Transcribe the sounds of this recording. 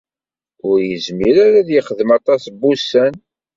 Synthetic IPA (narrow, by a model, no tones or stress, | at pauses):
ʊɾjəzmiɾaɾaðjiχəðəmɑt̪ˤɑsbusæn